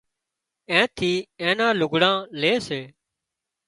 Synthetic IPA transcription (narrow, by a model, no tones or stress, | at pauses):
ẽːt̪ʰiːẽːnãːlʊɡɽãːleːseː